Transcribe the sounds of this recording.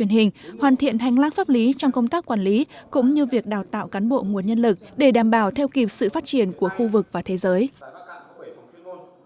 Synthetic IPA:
i˧˩ənhï˨˩ŋ̟hwaː˨˩nt̪ʰḭ˧˨ənɦa˨˩jŋ̟laː˧˥ŋfaː˦˥p̚li˨˦t͡ɕɔ˧wŋ͡mkə˧wŋ͡mt̪aː˦˥kːwaː˨˧˩nli˨˦kʊ̰˧˥ŋ͡mɲɨ˧vi˨˩ək̚ɗaː˨˩wt̪a̰ː˧˨wkaː˨˦nɓo̰˧˨ŋu˨˩ənɲə˧nlɨ˨˩k̚ɗe˧˩ɗaː˨˩mɓaː˧˩wt̪ʰɛ˧wki˨˩p̚sɨ̰˧˨faː˦˥t̚t͡ɕi˧˩ənku˧˩əxu˧vɨ˨˩k̚vaː˨˩t̪ʰe˨˦zəː˨˦j

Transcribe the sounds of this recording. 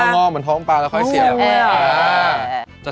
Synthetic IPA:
ŋɔː˧˥˩mɯː˧˦nt̪ʰɔː˦˥ŋpaː˧lɛ˦˥kʰɔ˥˩ssi˨˧˩a˧ | t͡ɕa˨˩

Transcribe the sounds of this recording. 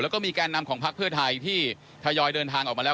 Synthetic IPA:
lɛ˦˥wkɔː˥˩miː˧kaː˧nːa˧mkʰɔː˩˦ŋpʰa˦˥k̚pʰɯ˥˩ət̪ʰa˧jt̪ʰiː˥˩ | t̪ʰa˧jɔː˧jdɤː˧nt̪ʰaː˧ŋʔɔː˨˩ma˧lɛː˦˥˩

